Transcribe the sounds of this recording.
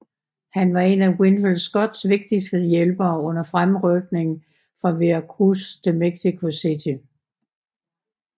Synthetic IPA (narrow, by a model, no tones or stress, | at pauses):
hænʋɑ̈e̝næɡwenflsɡ̥ɒ̽d̥sʋe̝ɡ̥̚d̥isd̥əjelb̥ɐːɔ̽n̰ɐfʁamʁœɡ̥ne̝ŋ | fʁɑ̈ʋeækʰʁust͡sʰe̝lmeɡ̥sikʰo̝sidʰi